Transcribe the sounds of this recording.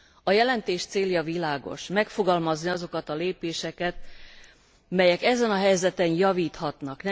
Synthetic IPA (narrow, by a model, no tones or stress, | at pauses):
ɒjɛlɛnt̪eːʃt̪seːljɒvilaːɡo̞̰ʃmɛkfo̞ɡɒlmɒzniɒzo̞kɒt̪ɒleːpeːʃɛkɛt̪ | mɛjɛkɛzɛnɒɦɛjzɛt̪ɛnjɒviːt̪hɒt̪nɒknɛ